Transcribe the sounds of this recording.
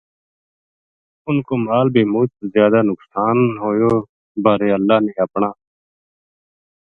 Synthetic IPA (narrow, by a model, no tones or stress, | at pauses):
ʊnkoːmaːlbʱiːmʊːt͡ʃzjaːd̪aːnʊksaːnɦoːjoː | baːɾeːəlːaːneːəpɳaː